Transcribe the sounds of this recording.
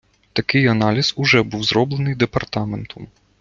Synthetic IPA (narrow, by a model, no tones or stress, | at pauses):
t̪akʲɨjanalʲizuʐɛbɨwzɾɔblʲˠɐnɨd̪ɛpart̪amɛnt̪ʰum